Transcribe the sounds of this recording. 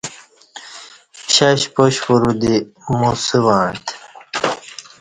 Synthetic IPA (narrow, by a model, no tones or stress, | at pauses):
ɕaɕpoɕpuɾud̪imusiwaːɳt̪